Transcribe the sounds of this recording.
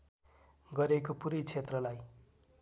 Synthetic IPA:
ɡʌɾekopuɾʌjt͡sʰet̪rʌlaj

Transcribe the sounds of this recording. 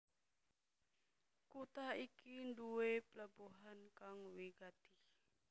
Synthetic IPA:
kut̪aikinduepəlabuɦankaŋwiɡat̪i

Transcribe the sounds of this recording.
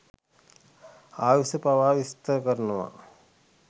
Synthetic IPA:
aːʋisəpaʋaːʋist̪ɐɾəkəɾɐnuʋa̰

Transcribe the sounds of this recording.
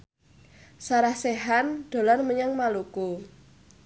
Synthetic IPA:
saɾahseɦanɖ̪̥o̤lɔnməɲaŋmaluko

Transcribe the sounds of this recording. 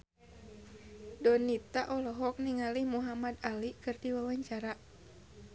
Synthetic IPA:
dɔnit̪aʔɔlɔɦɔk̚niŋalihmuɦamad̪alikɨrdiwawaɲt͡ʃaɾa

